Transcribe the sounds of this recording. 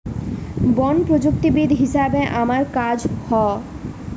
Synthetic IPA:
bɔnpɾod͡ʑuk̚t̪ibid̪ʱɦisʃabeʔamaɾkad͡ʑhɔ

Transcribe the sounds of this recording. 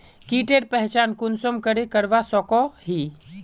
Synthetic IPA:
kiːʈeɾpɛɦt͡ʃaːnkʊnsomkəɾekəɾʋasɔkɔɦi

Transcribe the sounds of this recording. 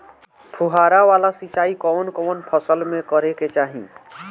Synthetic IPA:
pʰuɦaɾaʋaːlasit͡ʃaːikɔːnkɔnpʰəsəlmẽkəɾeket͡ʃaːɦḭ̃

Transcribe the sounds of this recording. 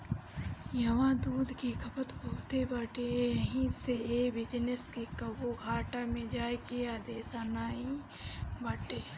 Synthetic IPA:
jɐʋãd̪uːd̪ʱkikʰəpət̪boːt̪ebaʈejɐɦĩseeːbɪd͡ʒneskekəboɡʱaːʈamẽd͡ʒaːekeaːd̪eːsanaːĩ | baːʈeː

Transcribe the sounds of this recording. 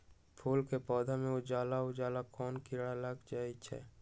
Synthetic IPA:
pʰuːlkepɔːd̪ʱamẽʊd͡ʒaːlaʊd͡ʒaːlakɔːnkɪɾɽaləɡd͡ʒaːit͡ʃʰɛ̰ː

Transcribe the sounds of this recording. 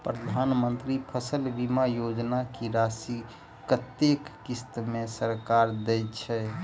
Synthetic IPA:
pɾəd̪ʱanmənt̪ɾipʰəsəlbimajod͡ʒnakiɾasi | kət̪ːekːist̪mesəɾkaɾd̪ɛjt͡ʃʰɛ

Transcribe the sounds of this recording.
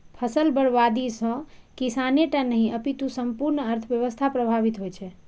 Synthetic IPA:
pʰəsəlbəɽʋad̪isə̃kisaneʈãnəɦĩʔəpit̪ũsəmpuɾnəɾt̪ʰbjəʋəst̪ʰapɾəbʱaβit̪ɦojt͡ʃʰɛ

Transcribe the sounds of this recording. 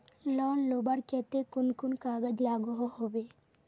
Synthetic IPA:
lɔnlobaɾkɛt̪ekunkunkaɡəd͡ʒlaɡuɦɔɦɔbe

